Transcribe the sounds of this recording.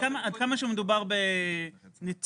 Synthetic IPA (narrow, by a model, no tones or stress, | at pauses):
amaad̪kamaʃeumed̪ubaʁbe | nit͡s